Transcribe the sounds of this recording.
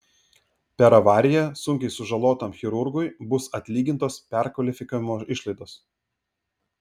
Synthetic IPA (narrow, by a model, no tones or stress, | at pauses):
pʲɛɾɐʋɑːɾʲɪjɛsʊŋʲkʲɛɪsʊʒɐlˠoːt̪ɐmxʲɪɾʊɾɡʊɪbʊsɐt̪ʲlʲiːɡʲɪnt̪oːspʲɛɾkʋɐlʲɪfʲɪkaːʋʲɪmoːɪʃlˠɐɪd̪oːs